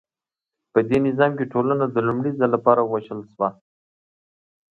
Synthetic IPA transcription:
pəd̪enɪzɑmkeʈʰolanad̪əlumɽizalːapɑɾawaʃəlʃwa

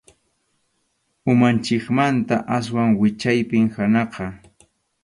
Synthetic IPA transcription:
ʊmant͡ʃɪkmant̪aʔas̬waŋwɪt͡ʃajpɪŋhanɑqɑ

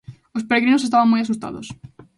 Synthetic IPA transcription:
ospeɾeɣɾinosest̪aβãŋmojas̬ust̪a̰ðo̰s

